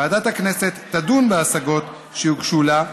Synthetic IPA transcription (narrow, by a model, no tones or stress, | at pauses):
aːdat̪haknese̞t̪ːadunbeasaɡo̞t̪ | ʃehukʃula